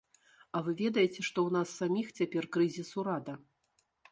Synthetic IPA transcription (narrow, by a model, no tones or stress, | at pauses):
ɐvɨvʲɛd̪ɐjɛt͡sʲɛʂt̪ɔwnasːamʲixt͡sʲapʲɛrkɾɨzʲisuɾad̪ɐ